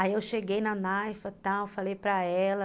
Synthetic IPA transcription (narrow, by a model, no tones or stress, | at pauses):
aiewʃeɡejnɐnajfɐt̪awewfalejpɾɐɛlɐ